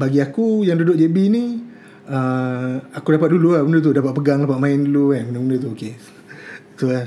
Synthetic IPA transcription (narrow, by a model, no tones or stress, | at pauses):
baɡiakujaŋdudʊʔ̚d͡ʒebini | ə | akudapat̪̚duluabəndət̪̬udapat̪̚pəɡaŋdapat̪̚mãɪnduluaməndəməndət̪uoke | t̪ua